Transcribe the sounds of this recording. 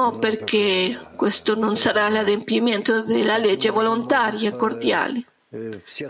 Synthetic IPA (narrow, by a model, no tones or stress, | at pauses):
operkekwest̪ononsaɾalad̪empiment̪od̪elːaled͡ʒːevolont̪aːɾjaekːoɾd̪ja̰ːle